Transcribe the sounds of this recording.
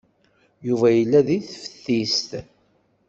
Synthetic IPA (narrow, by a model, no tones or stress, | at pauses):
juvæjəlːæðiθfə̥θːist̪